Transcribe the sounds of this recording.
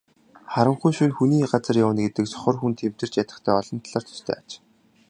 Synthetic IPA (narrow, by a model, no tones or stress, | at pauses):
χaɾə̆ɴχujʃunxuniːɢat͡sə̆rjawə̆nɡet̪ɘ̆ksɔ̥χɞ̆rxunt̪ʰem̥t̪ɘ̆r̥t͡ɕjat̪ə̆χt̪ʰæːɔɮɞ̆nt̪ʰaɮaːrt̪ʰʊ̥st̪ʰœ̰ːat͡ɕ